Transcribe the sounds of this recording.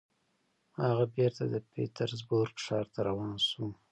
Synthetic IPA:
haɣabeɾt̪ad̪əpḛt̪aɾzboɾkʂɑɾt̪aɾawɑnsu

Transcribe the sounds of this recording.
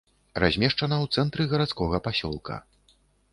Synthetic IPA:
razʲmʲɛʂt͡ʂɐnɐwt̪sɛnt̪ɾɨɣɐɾat̪skɔɣɐpasʲɔ̰lˠkʰɐ̰

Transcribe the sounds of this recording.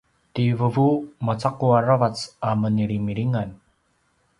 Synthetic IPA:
t̪ivəvumat͡sakuaɾəvat͡saməniɾimiɾiŋan

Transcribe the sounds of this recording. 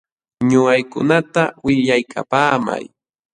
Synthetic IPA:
ɲʊɢajkʊ̰nat̪awɪʎajkʰa̰paːma̰j

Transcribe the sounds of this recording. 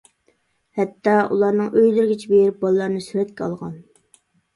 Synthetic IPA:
hɛt̪ʰːɑulˠɑɾnɨŋøjlɪɾɡʲit͡ʃʰibejɾɪp̚bɑlˠɨlˠɑɾnɨsyɾɛt̪̚kʲɛɑ̰lˠʁɑ̰n

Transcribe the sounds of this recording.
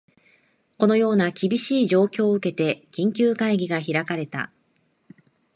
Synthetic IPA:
ko̞no̞jo̞ːnakʲibʲiɕiːʑo̞ːkʲo̞ːɯ̟ke̞t̪e̞kʲĩŋkʲɨːkaiɡʲiɡaçiɾakaɾe̞t̪a̰

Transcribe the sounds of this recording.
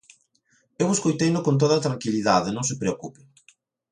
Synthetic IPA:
eweskojt̪ejnʊkont̪̬oðɐaːt̪ɾaŋkiliðaðɪnõŋs̬ɪpɾeokupɪ

